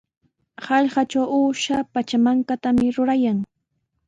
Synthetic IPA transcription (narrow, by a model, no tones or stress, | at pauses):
hɑʎɢɑt͡ʃawuːʃapat͡ʃamaŋkat̪amɪɾʊɾajaŋ